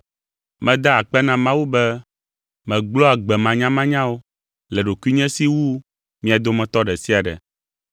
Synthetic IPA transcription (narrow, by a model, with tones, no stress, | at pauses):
mɛ̃˨d̪a˦a˨k͡pɛ˦nã˦mã˦wu˦bɛ˦ | mɛ̃˨ɡ͡blɔ˦a˨ɡ͡bɛ˨mã˨ɲã˦mã˦ɲã˦wo˦ | lɛ˨ɖo˨ku˦i˦ɲɛ̃˦si˦wu˦ | mĩ˦a˨d̪o˦mɛ̃˨t̪ɔ˦ɖɛ˨si˦a˨ɖɛ̰˨